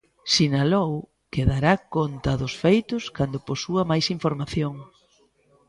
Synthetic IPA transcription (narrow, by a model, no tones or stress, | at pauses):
sinalow | keðaɾakont̪ɐðʊsfejt̪ʊskand̪ʊposuɐmajsiɱfoɾmaθjoŋ